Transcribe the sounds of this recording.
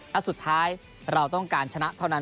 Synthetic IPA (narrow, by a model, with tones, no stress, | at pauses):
lɛ˦˥su˨˩t̪ʰːaː˦˥j | ɾa˧wt̪ɔ˥˩ŋkaː˧nt͡ɕʰa˧na˦˥t̪ʰa˥˩wna˦˥